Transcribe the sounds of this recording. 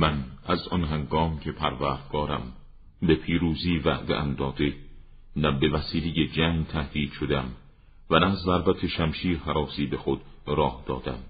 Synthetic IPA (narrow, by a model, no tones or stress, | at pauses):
mænæzɒ̰nɦæŋɡɒːmcʰe̞pʰæɾvæːɾd̪̥ɡ̥ɒːɾæ̰m | be̞pʰiːɾuːziːvæ̰ʔd̪eʔæmd̪ɒːd̪e̞ | næbe̞væsiːlejed͡ʒæːŋɡt̪ʰæhd̪iːd̪̥ʃod̪eæm | vænæzːæɾbæt̪ʰeʃæmʃiːɾhæɾɒːsiːbe̞xod̪̥ɾɒːhd̪̥ɒːd̪æm